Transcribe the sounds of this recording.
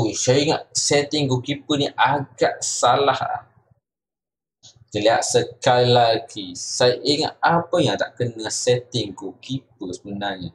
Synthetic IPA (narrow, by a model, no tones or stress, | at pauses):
ujsajiŋaʔsɛt̪ɪŋkukipəniʔaɡaʔsalaha̰h | kəlia̰ʔsəkalilaɡisajʔiŋa̰ʔ̪apəjãŋt̪a̰ʔkənasɛt̪ɪŋkukip̚əsəbənarɲa